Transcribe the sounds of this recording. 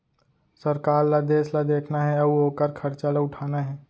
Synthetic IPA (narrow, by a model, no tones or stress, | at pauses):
sɐɾkaːɾlad̪eːslad̪eːkʰnaɦɛ̃ɐuoːkəɾkʰɐɾt͡ʃalaʊʈʰaːnaɦɛː